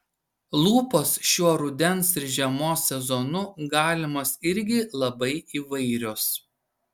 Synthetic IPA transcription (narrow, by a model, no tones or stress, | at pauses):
lˠuːpoːsʃʲuɔɾʊd̪ʲɛnsɪɾʒʲɛmoːsʲːɛzɔnʊɡɑːlʲɪmɐsɪɾʲɡʲɪlˠɐbɐɪiːʋɐɪɾʲoːs